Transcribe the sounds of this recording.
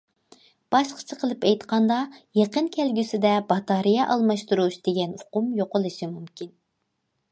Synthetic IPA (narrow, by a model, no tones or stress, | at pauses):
b̥ɑʃqʰə̥t͡ʃʰəqʰəlˠɨpɛjt̪qɑnd̪ɑjeqənkʲʰɛlɡʲysɪd̪ɛbɑt̪ɑɾijɛʔɑlˠmɑʃt̪uɾuʃd̪̥eɡʲɛnʊqʊmjoqʊlˠɨʃimumkʲin